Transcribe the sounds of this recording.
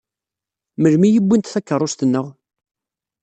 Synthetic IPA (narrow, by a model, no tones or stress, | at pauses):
məlmijəbʷːint̪θækːərˤːost̪ənːəʁ